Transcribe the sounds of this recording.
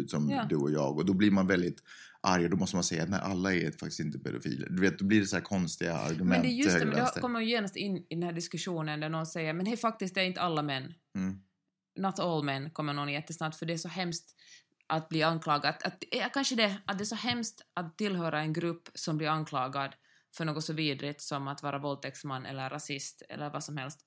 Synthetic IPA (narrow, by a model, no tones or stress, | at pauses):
t̪sɔmːd̪ʉɔjɑ̰ːɡɔd̪ɔblɪɾmanvɛld̪ɪt̪ | ʔaɾjad̪ɔmɔst̪əmansɛjːa̰t̪nɛɪʔalːaɛfakt̪ɪ̥sɪnt̪əpʰɛ̰d̪ʊfḭːlə̰d̪ɵveːt̪̚d̪ɔbliɖɛshæːɾkʰɔnst̪ɪɡa̰a̰ɾɡɵmɛnd̪jɵmɛd̪kkɔmːəmanjjeːnast̪ɪnːɪd̪ɛnhæːɖɪskɵʂuːnənd̪æɳɔnsɛjːəɾmɛnhɛjfak̚t̪ɪsk̚t̪æɾɪnt̪əalːamɛnː | nɔt̪ɔlmɛnːkʰɔmːəɳɔnjɛt̪ːəsnab̚t̪fœɖɛːʂsɔɦɛmst̪ | ʔat̪̚bliːanklɑːɡat̪at̪̚kanʂəd̪ɛat̪̚d̪ɛæʂsɔhɛmst̪ʔat̪ʰːɪlɦøːɾaɛnɡɾʉpːsɔmblɪːɾankʰlɑːɡad̪ | fœɳoːɡɔt̪sɔviːd̪ɾɪt̪sɔmat̪vɑːɾavɔlt̪ʰɛksmanːʔɛ̰lːəɾːasɪst̪ɛ̰lːəɾvasɔmhɛlst̪